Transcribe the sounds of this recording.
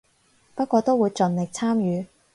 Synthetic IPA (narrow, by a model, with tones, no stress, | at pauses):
pɐ˥t̚kʷɔː˧t̪o˥wu˨˧jt͡sɵ˨nlɪ˨k̚t͡sʰaː˥mjyː˨˧